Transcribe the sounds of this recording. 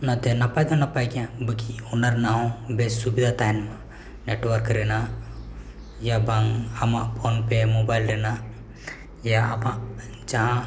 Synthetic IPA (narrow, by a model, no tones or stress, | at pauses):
nat̪ɛnapajd̪ɔnːapajkɛjãbəkiɔnaɾnaɔ̃bessubid̪ʱat̪ajnma | neʈwəɾkɾɛna | jabaŋamaʔpʰonpɛmobajlɾɛna | jaːmaʔd͡ʒaɦã